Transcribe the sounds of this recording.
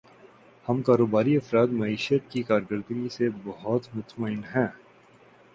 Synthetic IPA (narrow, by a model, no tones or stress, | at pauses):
hɐmkaːɾoːbaːɾiɐfɾaːd̪mɐiːʃət̪kikaːɾɡəɾd̪ɡisebɐɦɔt̪mʊt̪məɪnɦɛ̃ː